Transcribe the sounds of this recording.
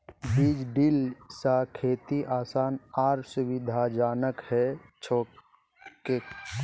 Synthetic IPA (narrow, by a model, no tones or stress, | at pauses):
biːd͡ʒɖilsakʰeːt̪iʔaːsaːnaːɾsʊwɪd̪ʱad͡ʒaːnəkhɛt͡ʃʰoː | ke